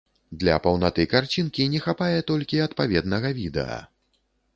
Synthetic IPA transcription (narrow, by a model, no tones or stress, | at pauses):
d̪lʲɐ̰pɐwnat̪ɨkart͡sʲinkʲinʲɛxapajɛt̪ɔlʲkʲiɐt̪pavʲɛd̪nɐɣɐvʲid̪ɛ̰ɐ̰